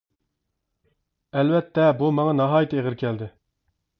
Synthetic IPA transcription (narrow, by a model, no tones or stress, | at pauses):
ɛlwɛt̪ʰːɛbumɑŋɑnɑɦɑːjit̪ʰɨeʁəɾkʲʰɛld̪ɪ